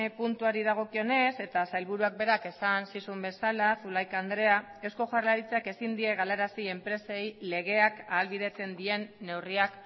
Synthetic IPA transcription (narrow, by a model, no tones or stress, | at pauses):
punt̪uaɾiðaɣ̞o̞kio̞ne̞se̞t̪asajlβuɾuak̚be̞ɾake̞sansisumbe̞salasulajkand̪ɾe̞ae̞wsko̞ʝarlaɾit͡seake̞sind̪ie̞ɣ̞aleɾasie̞mpɾe̞sejle̞ɣ̞e̞akaːlβið̞e̞t͡se̞nd̪ie̞nːe̞wriak